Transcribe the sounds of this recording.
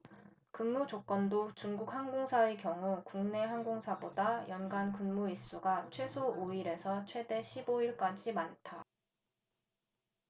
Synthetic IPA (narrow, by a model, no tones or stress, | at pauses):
kɯnmud͡ʑok͈ʌndot͡ɕuŋɡuk̚haŋɡoŋsʰae̞kjʌŋukuŋne̞ɦaŋɡoŋsʰabodajʌnɡankɯnmuis͈uɡat͡ɕʰwe̞sʰoʔoiɾe̞sʰʌt͡ɕʰwe̞de̞ɕʰiboiɭk͈ad͡ʑimantʰa